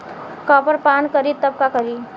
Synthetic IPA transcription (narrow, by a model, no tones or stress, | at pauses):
kapəɾpaːnkəɾit̪əb̚kakəɾi